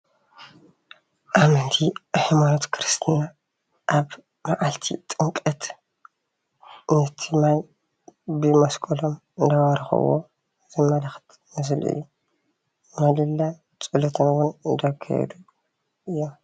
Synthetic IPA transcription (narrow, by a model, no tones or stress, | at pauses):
ʔamɐnt̪ʰiħimanot̪kʰɨɾɨst̪ʰija | ʔaβ | maʕalt̪ʰḭt̪ʼɨŋkʼɐt̪ | nɨt̪ʰɨmaj | bɨmɐskʼɐlom | ɨnd̪awɐɾɐxɐ̰wo̰ | zɨmɐlɐxt̪ | nɨs̬ɨlʔḭjːu | mɐlɨlːa | t͡sʼɨlɐt̪ʰonwonɨnd̪ɐkʰːa̰jɛ̰d̪u | ʔɨjːom